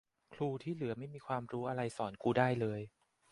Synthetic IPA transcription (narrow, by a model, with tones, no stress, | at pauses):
kʰluː˧t̪ʰiː˥˩lɯ˨˩˦ɐma˥˩jmiː˧kʰwaː˧mɾuː˦˥ʔa˧ɾa˧jsɔː˩˦nkuː˧daː˥˩jlɤː˧j